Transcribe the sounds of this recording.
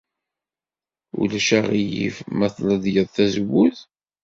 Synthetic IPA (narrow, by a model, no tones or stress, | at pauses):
ṵlæʃæʁijḭvmæθləd̪jəðˤθæzwuθ